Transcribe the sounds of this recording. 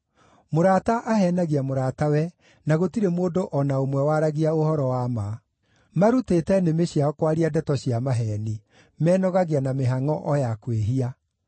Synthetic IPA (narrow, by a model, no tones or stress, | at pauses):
moɾataʔaɦɛnaɣiamoɾatawɛ | naɣotiɾemoːdoʔɔnaomwɛwaɾaɣiaohɔɾɔwama | maɾutetɛnemeɕjaɔkwaɾiadɛtɔɕiamaɦɛni | mɛːnɔɣaɣianameɦaŋɔʔɔjakweɦia